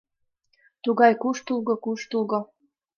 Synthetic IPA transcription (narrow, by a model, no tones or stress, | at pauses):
t̪uɣɑjkuʃt̪ulˠɣokuʃt̪ulɣo